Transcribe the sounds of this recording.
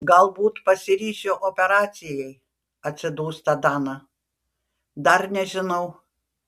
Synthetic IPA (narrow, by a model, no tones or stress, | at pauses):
ɡɐlˠbuːt̪pɐsʲɪɾʲiːʃʲoːʔopʲɛɾɑːt̪sʲɪjɛɪ | ɐt̪ʲsʲɪd̪uːst̪ɐd̪ɑːnɐ | d̪ɐrnʲɛʒʲɪnɐʊ